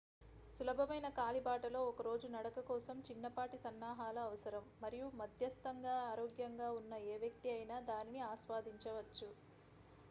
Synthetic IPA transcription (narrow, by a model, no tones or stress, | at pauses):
sulɐbʱɐmɐjnɐkaːlibaːʈɐlo̞ːɔkɐɾo̞ːd͡ʒunɐɽɐkɐkɔːsɐmt͡ʃinːɐpaːʈisɐnːaːɦaːlɐːʋɐsɐɾɐmːɐɾijumɐd̪ʱjɐst̪ɐŋɡaːaːɾoːɡjɐŋɡaːunːɐeːʋjɐk̚t̪iɐjnaːd̪aːniniaːʃʋaːd̪iɲt͡ʃɐʋɐt͡ʃːu